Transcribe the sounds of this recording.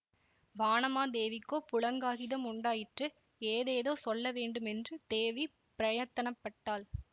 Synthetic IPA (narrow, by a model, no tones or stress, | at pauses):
ʋaːnɐmaːd̪eːʋɪkːoːpʊɻɐŋɡaːɣɪðɐmʊɳɖaːjɪʈrɯ | eːðeːðoːsɔlːɐʋeːɳɖɯmɛndrɯd̪eːʋi | pɪɾɐjɐt̪ːɐnɐpːɐʈːaːl